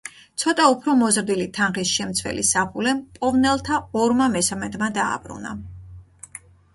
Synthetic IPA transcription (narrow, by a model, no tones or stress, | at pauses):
t̪sʰɔt̪ʼaupʰɾɔmɔzɾd̪ilit̪ʰanχisʃɛmt̪sʰvɛ̰lḭsaχulɛmpʼɔvnɛlˠt̪ʰaɔɾmamɛsamɛd̪mad̪a̰ːb̥ɾṵna̰